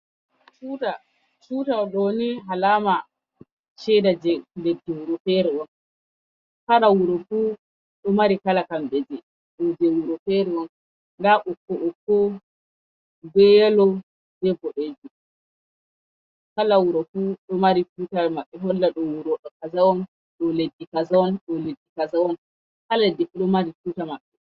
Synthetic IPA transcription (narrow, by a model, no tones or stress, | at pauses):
t͡ʃuːta | t͡ʃutaɗɔniɦalaːma | ʃɛdad͡ʒɛdedɛwuɾɔfɛɾɛwɔn | kaɗawuɾɔfu | ɗɔmaɾikalakamɓɛd͡ʒɛ | ɗɔd͡ʒɛwuɾɔfɛɾɛwɔn | daʔɔkːɔʔɔkːɔ | ɡɛjalɔ | dɛbɔʔed͡ʒu | kalawuɾɔfuɗɔmaɾituːtamaɓːɛɦɔlːaɗɔwuɾɔɗɔkazawɔn | ɗɔledːikazawɔnɗɔledːikazawɔn | kaladɛɗɔmaɾifutamaɓːɛ